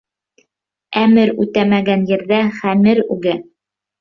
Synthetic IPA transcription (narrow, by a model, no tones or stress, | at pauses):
æmɘɾʉ̰t̪æmæɡænjɘ̆ɾðæχæmɘɾʉɡæ